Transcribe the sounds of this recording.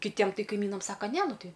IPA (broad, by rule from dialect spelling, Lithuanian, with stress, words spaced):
kʲɪˈtʲiɛm ˈtɐɪ kɐɪˈmʲiːnɐm ˈsɑːkɐ ˈnʲɛ ˈnʊ ˈtɐɪ